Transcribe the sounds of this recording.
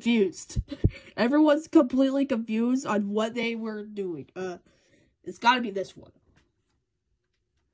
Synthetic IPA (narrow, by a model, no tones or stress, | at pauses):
fjʉz̥d̥ʔɛvɹiwʌ̃nz̥kə̃mpʰl̥itˡlikɨ̃ɱfjʉzdn̩wʌt̪̚ðeɪwə˞duɪ̃ŋʌ | ɨtsɡ̥ɑɾɨbiðɪswʌ̰̃n